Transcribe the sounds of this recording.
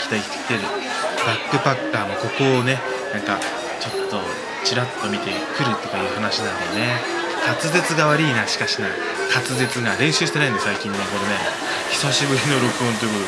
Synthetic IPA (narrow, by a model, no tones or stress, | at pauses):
kʲi̥t̪aii̥t̪e̥kʲi̥t̪eɾɯ̟ | bakːɯ̟bakːaːmo̞ko̞ko̞ːne̞ | nãŋka | t͡ɕo̞t̪ːo̞ | t͡ɕiɾat̪ːo̞mʲit̪e̞ | kɯ̟ɾɯ̟t̪ːo̞kajiɯ̟ːhanaɕinãnd̪ene̞ | kʰat͡sɨze̞t͡sɨɡaβaɾʲiːnaɕi̥kaɕina̰ | kat͡sɨze̞t͡sɨɡaɾẽ̞ɕɨːɕi̥t̪enaĩnd̪esaikʲĩnːeko̞ɾene̞ | çi̥saɕibɯ̟ɾʲino̞ɾo̞kɯõnt̪o̞jiɯkot̪o